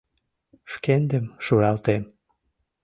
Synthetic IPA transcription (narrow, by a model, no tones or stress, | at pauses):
ʃkend̪əmʃuɾɑlt̪em